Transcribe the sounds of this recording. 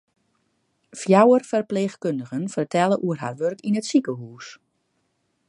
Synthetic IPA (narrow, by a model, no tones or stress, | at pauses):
fjawərfərpleːxkøndəɣənfərtʰɛlˠəʔuərɦa̰rʋørkinətsikəɦuːs